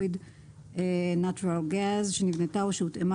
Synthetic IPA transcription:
id | enat͡ʃuɾalɡazʃenivnetaoʃeutema

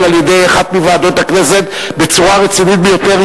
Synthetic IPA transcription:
laljed̪e̞jaχat̪mivaːd̪o̞t̪hakne̞set̪ | be̞t͡suʁaʁet͡sinit̪̚bejo̞t̪e̞ʁ

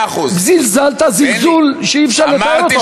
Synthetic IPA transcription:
bzilzalt̪azilzulʃeifʃaʁlet̪ae

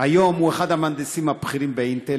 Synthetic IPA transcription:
ajo̞mhueχad̪hamand̪esimhapχiʁimbeint̪e

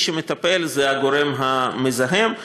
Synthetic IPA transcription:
ʃemet̪ape̞lzeaɡo̞ɾe̞mɦamezaɦem

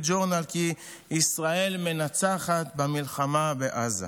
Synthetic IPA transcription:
d͡ʒoʁnalkiː | sʁae̞lme̞nat͡saχat̪bamilχamabeʔaza̰

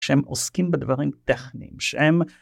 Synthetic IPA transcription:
ʃeemʔoskimbed̪vaʁimt̪eχnḭmʃehem

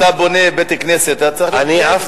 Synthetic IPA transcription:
abonebet̪ikneset̪at͡saaniaf

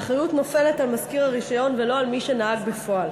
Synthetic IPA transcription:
aχʁajutno̞fe̞le̞talmazkiʁaʁiʃajo̞nvelo̞almiʃe̞naaɡbefo̞al

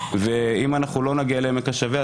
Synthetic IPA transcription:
veimanaχnulo̞naɡialemekaʃavea

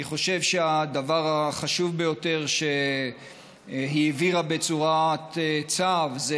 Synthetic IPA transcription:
iχo̞ʃe̞vʃead̪avaʁaχaʃuvbe̞jo̞te̞ʁʃe | ɦiviʁabe̞t͡suʁat̪t͡savze

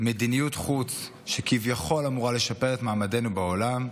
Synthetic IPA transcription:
medinijutχut͡s | ʃekivjaχo̞lamuʁale̞ʃape̞ʁetmaːmade̞nubaolam

